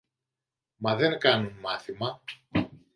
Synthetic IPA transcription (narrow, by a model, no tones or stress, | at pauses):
mɐðe̞ŋkɐnunmɐθimɐ